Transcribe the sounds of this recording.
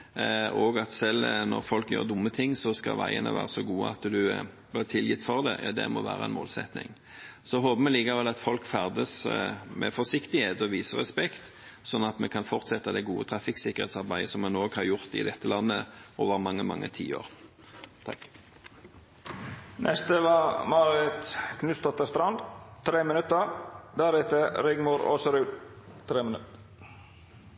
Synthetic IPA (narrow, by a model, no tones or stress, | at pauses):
oːɡɑt̪sɛlnɔ̰ʁfɔlkjøːʁd̪ʊmːət̪ʰɪŋːsɔskɑ̰ʋæɪənə̰ʋæ̰ːʁəsɔɡuːəɑt̪d̪ʉ | blɪʁt̪ʰɪljɪt̪ːfɔʁd̪ɛ̰d̪ɛ̰mɔʋæːʁəɛ̰nmo̰ːlsɛ̰t̪nɪ̰ŋ | sɔɦoːbəmɛliːkəʋɛlɑt̪fɔlkfæʁd̪əsmɛ̰fɔsɪkt̪ɪheːt̪ɔʋiːsəʁɛspɛkt̪ | sɔnːɑt̪mɛkʰɑnfɔʁt̪sɛt̪ːəd̪ɛɡuːət̪ʰɾɑfɪksɪkːəʁhḛːt̪sɑʁbæɪəsɔmːɑnoːɡhɑʁjʊʁt̪ɪ̰d̪ɛt̪ːəlɑnːə̰ʔoːʋəʁmɑŋːəmɑ̰ŋːʔə̰t̪ʰḭːo̰ːʁ | t̪ʰɑ̰k | nʔɛst̪əʋɑɾmɑɾɪt̪kʰnʉst̪ɔt̪ːəst̪ɾɑnd̪t̪ʰɾeːmɪnʉt̪əɾd̪æɾʉt̪əɾɪɡmuɾo̰ːsəɾʉːd̪ | t̪ʰɾeːmnt